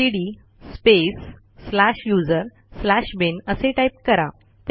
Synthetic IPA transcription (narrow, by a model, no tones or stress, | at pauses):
iɽi | spesː | laɕjud͡zəɾ | slaɕbenəseʈaip̚kəɾa | t̪